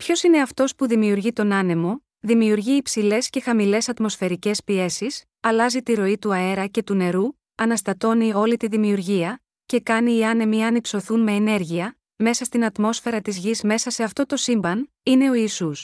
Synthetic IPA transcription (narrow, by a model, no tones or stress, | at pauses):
pço̞sine̞ɐft̪o̞spuðimiuɾʝit̪o̞nɐne̞mo̞ | ðimiuɾʝiːpsile̞sce̞xɐmile̞sɐt̪mo̞sfe̞ɾice̞spie̞sis | ɐlɐzit̪iɾo̞it̪uɐe̞ɾɐce̞t̪une̞ɾu | ɐnɐst̪ɐt̪o̞nio̞lit̪iðimiuɾʝiɐ | ce̞kɐniːɐne̞miɐnipso̞θunme̞ːne̞ɾʝiɐ | me̞sɐst̪inɐt̪mo̞sfe̞ɾɐt̪izʝizme̞sɐse̞ɐft̪o̞t̪o̞simbɐn | ine̞o̞iːsus